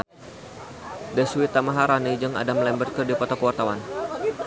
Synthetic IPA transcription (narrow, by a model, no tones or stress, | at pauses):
dɛsuwit̪amaɦaɾanid͡ʒəŋa̰damlɛmbərt̪̚kərdipɔt̪ɔkəwart̪awan